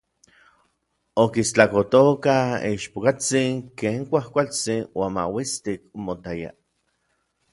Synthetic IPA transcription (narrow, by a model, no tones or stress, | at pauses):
okist͡ɬakot̪okaḭʃpokat͡siŋkeːŋkʷahkʷalt͡sinwaːnma̰wist̪ik̚mot̪aja̰